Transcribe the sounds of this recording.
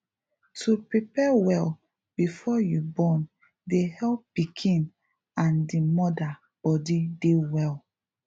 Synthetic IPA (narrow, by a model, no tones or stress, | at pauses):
tʰupɹipɛwɛl | b̥ifɔjubɔ̃n | dehɛlppːikʰĩn | ãndimɔda | b̥ɔdidewɛl